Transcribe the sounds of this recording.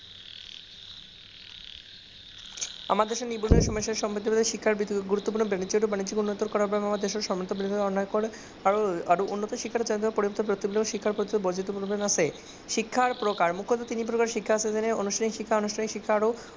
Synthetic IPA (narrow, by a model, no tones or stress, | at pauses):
a̰maɾd̪eʃeɾnibuɾnieʃɔmɔʃeɾʃɔmbed̪ʱːobd̪aʃikʰːaɾbit̪ːkeɡuɾut̪ːopuɾnobanid͡ʑieʈubanid͡ʑikunːot̪ːoɾkɔɾaɾbaemamaɾd̪eʃoɾʃɔmot̪ːobɾind̪ʱiɔnːaekoɾ | aoaɾoʔunːot̪oʃikʰːaɾd͡ʑand̪bapoɾiboɾt̪opɾot̪ibileʃikʰːaɾpɾod͡ʑ̪od̪obod͡ʑʱit̪ːopuɾbenasʰe | ʃikʰːaɾpɾokaɾmukʰːot̪at̪inipɾokaɾʃikʰːaasʰed͡ʑeneonuʃʈʰanikʃikʰːaonuʃʈʰanikʃikʰːaɾo